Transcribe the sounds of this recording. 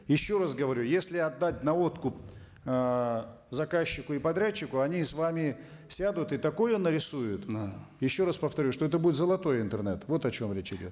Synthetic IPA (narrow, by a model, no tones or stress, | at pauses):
jɪɕːo̞ras̬ɡəvɐɾʲujesʲlʲɪɐd̪ːat̚ʲnɐo̞t̪kʊp̚ | zɐkaɕːɪkʊɪpɐd̪ɾʲæt͡ɕːɪkʊɐnʲisvamʲɪ | sʲad̪ʊt̪ɨt̪ɐko̞jʊnəɾʲɪsujʊt̪jɪɕːo̞ɾaspəft̪ɐɾʲuʂt̪oɛt̪əbudʲɪt̪zəlˠɐt̪o̞jɪnt̪ərnɛ̰t̪vo̞t̪ɐt͡ɕo̞mɾʲet͡ɕɪdʲo̞̰t̪